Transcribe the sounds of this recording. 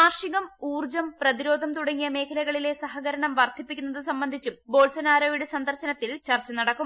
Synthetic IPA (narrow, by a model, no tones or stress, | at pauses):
aːrʂiɣɐmuːrd͡ʑɐmprɐðiɾo̞ːd̪ʱɐmt̪uɽɐŋːijɐme̞ːkʰɐlɐɣɐɭile̞sɐɦɐɣɐɾɐɳɐmʋɐrt̪ʰipːikʲːunːɐðɨsɐmbɐnd̪ʱit͡ɕːumbo̞ːlsɐnaːɾoːjiɽesɐnd̪ʱɐrɕɐnɐt̪ːilt͡ɕɐrt͡ɕːɐnɐɽɐkːum